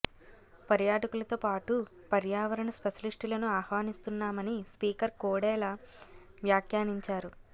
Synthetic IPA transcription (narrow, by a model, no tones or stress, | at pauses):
pɐɾjaːʈɐkulɐt̪oːpaːʈu | pɐɾjaːʋɐɾɐnɐspeʃɐliʂʈulɐnuaːhʋaːnist̪unːaːmɐnispiːkɐɾkoːɽɛːlaː | ʋjaːkjaːniɲt͡ʃaːɾu